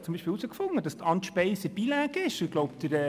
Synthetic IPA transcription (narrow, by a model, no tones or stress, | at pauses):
t͡sʊmbiʃpɪːlusəkfʊŋːəd̥ɑstɑnt̪ʃpɛɪsəb̥ilæːɡɪʃɪɡloʊpd̪əɾɛ